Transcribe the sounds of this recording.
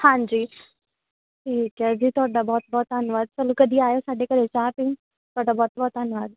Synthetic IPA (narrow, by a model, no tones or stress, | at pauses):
hãːɲd͡ʒiː | ʈʰiːkɦɛːd͡ʒiːt̪ʊaːɖabɔːt̪̚bɔːt̪ənʊʋaːd̪̚t͡ʃəlːũkəd̪ʱiaːjosaːɖekəɾet͡ʃaːpɪ̃ | t̪ʊaːɖabɔːt̪̚bɔːt̪ənʋaːd̪̚